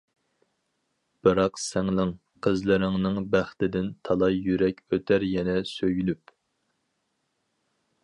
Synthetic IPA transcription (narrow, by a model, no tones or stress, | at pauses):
b̥ɨɾɑqsæŋlɪŋ | qʰəzlɪɾɪŋnɨŋbæχt̪ɪd̪ɪnt̪ʰɑlˠɑjːyɾɛkʲøt̪ʰæɾjɛnɛsøjynyp